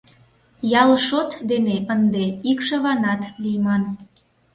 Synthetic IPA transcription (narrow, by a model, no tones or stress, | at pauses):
jɑlʃot̪d̪eneʔənd̪eikʃə̆βɑnɑt̪lijmɑn